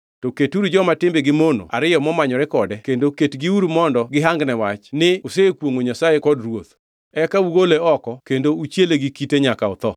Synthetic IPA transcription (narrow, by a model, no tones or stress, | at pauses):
tɔketuɾud͡ʒɔmatɪmbeɡɪmono̰a̰ɾɪjɔmɔmaɲɔɾɛkɔdɛkendoketɡiuɾumɔndɔɡɪɦaŋɡnɛwat͡ʃnɪosekwoŋoɲasajekɔdrwot̪ | ɛkauɡoleɔkɔkendout͡ʃjeleɡɪkiteɲakaɔt̪ɔ